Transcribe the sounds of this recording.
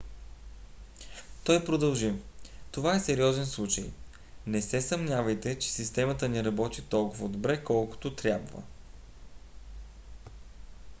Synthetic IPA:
t̪ɔjpɾod̪ɐlˠʒit̪ovaɛsɛɾiɔzɛnslˠut͡ʃəj | nɛsɛsɐmnʲjavəjt̪ɛt͡ʃɛ̥sist̪ɛmət̪ənɛɾɐbɔt̪it̪ɔlˠkʊvəd̪obɾɛkɔlˠkʊ̥t̪ot̪ɾʲjabvə̰

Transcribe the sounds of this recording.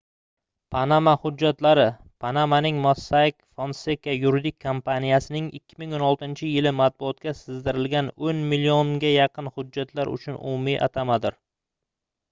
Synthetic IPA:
pʰanamahʊd͡ʒːat̪laɾɪ | pʰanamanɪŋmosːakʲfonsekajʊɾɪd̪ɪkʲʰːompanijasɪnɪŋɪ̰kʲːɪmɪŋonɒlˠt̪ɪnt͡ʃʰɪjɪlɪmat̪̚bʊɒt̪̚kʲasɪzd̪ɪɾɪlɡʲanonmilioŋɡʲajɑqʰɨnhʊd͡ʒːat̪ʰlaɾʊ̰t͡ʃʰʊnʊ̰mʊmɪʔa̰t̪ʰamad̪ɪɾ

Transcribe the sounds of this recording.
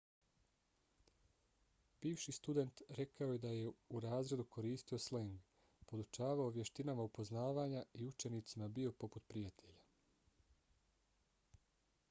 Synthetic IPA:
b̥iːʋʃist̪ud̪e̞nt̪ɾe̞kaoje̞d̪aje̞uɾaːzɾe̞d̪ukʰo̞ɾiːst̪io̞sleŋɡ | po̞d̪ut͡ʃaːʋaoʋje̞ʃt̪inamaupo̞znaːʋaːɲaiut͡ʃe̞nit̪simabio̞po̞put̪pɾijat̪ʰe̞ʎa

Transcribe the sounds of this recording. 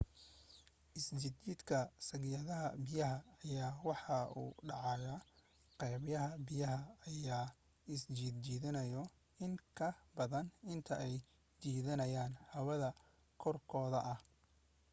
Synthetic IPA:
ʔɪst͡ʃɪd̪t͡ʃiːd̪kʰɐsɐɣjɐðɐɦɐ̰bɪjɐɦɐːjaːwɑħɑṵːɖɑʕɑɣɐ | qɛjβjɐɦɐbɪjɐɦɐːjaː | ɪst͡ʃiːd̪d͡ʒiːðɪnɐjɔ | ɪŋkʰɐbɐðɐnɪnt̪ʰɐʔɛj | t͡ʃiːðɐnɐjaːnhɐwɐðɐ | kʰɔrkʰɔːðɐʔɐh

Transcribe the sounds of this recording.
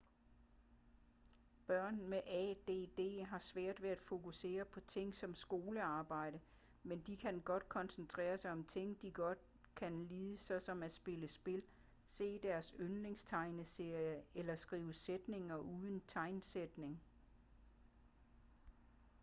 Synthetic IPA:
b̥ɶɐ̰nmeʔɛd̥e̝̰ːd̥e̝̰ːɦɑ̈sʋæɐ̰d̥ʋeæd̥fo̝kuse̝̰ːɐpʰɒ̽t͡sʰe̝ŋ̰sɒ̽msɡ̥o̝ːləɑ̈ːb̥ɑ̈ɪ̰ɾ̥ə | mend̥ikʰænɡ̥ɒ̽d̥̚kʰɒ̽nsn̩t͡sʰʁɛ̰ːɐsɑ̈ɪɒ̽mt͡sʰe̝ŋ̰d̥iɡ̥ɒ̽d̥̚ | kʰænliːðˠəsɒ̽sɒ̽mæ̥sb̥e̝ləsb̥e̝l | se̝̰ːd̥æɐsønle̝ŋst͡sʰɑ̈ɪnəse̝ɐ̰jəelɐsɡ̥ʁḭːʊəsed̥ne̝ŋɐʔuðˠənt͡sʰɑ̈ɪnsed̥ne̝ŋ

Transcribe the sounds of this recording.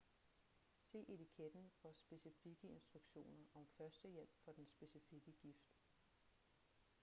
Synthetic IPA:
se̝̰ːʔe̝t͡sʰikʰed̥n̩fɒ̽sb̥e̝sifiɡ̥əe̝nsd̥ʁuɡ̥ɕo̝̰ːnɐʔɒ̽mfɶɐsd̥əjel̰b̥fɒ̽d̥ensb̥e̝sifiɡ̥əɡ̥ifd̥

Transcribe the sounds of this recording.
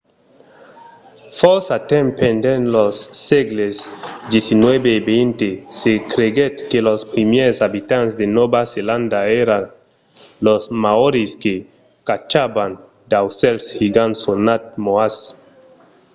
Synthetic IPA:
fosat̪ẽmpend̪enlosːeɡlesd̪esinwebebejnt̪esekɾeɡet̪kelospɾimjeɾsabit̪ãnsd̪enobaselãnd̪aeɾan | losmaoɾiske | kat͡ʃaban | d̪awselshiɡansonat̪̚moas

